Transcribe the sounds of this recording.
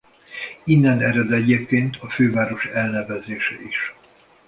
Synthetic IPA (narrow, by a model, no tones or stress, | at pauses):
inːɛnɛɾɛd̪ɛɟeːp̚keːnt̪ʰɒføːvaːɾo̞ʃɛlnɛvɛzeːʃɛiʃ